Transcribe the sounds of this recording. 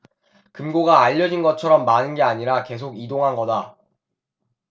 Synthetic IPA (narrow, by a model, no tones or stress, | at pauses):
kɯmɡoɡaːʎːʌd͡ʑinɡʌt͡ɕʰʌɾʌmːanɯnɡe̞aɲiɾake̞s̬ʰoɡidoŋɦanɡʌda